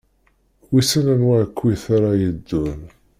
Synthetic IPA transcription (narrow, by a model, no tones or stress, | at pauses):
wisænænwæʕkʷːwiθaɾˤajəd̪ːun